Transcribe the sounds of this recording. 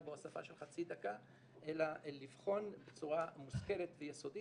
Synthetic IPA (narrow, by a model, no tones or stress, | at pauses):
bosafa̰ʃelχat͡sid̪aka | ʔelalivχo̞nbet͡suʁamuske̞let̪vejeso̞di